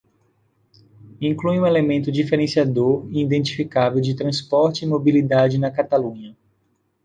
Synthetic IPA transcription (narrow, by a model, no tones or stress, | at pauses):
ĩŋklujũelemẽnt̪ʊd͡ʒifeɾẽsiad̪oɾiid̪ẽnt͡ʃi̥fikavewd͡ʒɪt̪ɾɐ̃spɔɾt͡ʃɪimobilid̪ad͡ʒɪnɐkat̪alũɲɐ